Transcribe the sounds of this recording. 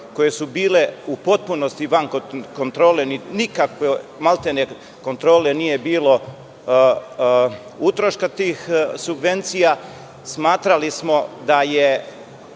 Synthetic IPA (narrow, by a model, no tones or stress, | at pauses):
ko̞je̞subiːle̞upo̞t̪̚punost̪iʋaŋkokont̪ɾo̞ːleninikakʋemalˠt̪ene | ko̞nt̪ɾo̞ːlenije̞biːlo̞ | ut̪ɾo̞ʃkat̪iːxsubʋent̪sija | smaːt̪ɾalismo̞d̪aje